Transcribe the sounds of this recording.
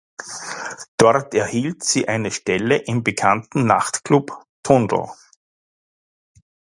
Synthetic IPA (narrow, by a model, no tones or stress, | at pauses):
d̥ɔɐtɛɐhiːltsiːʔaɪnəʃtɛləʔɪmbəkʰantn̩na̰χtklup | tʰʊndl̩̰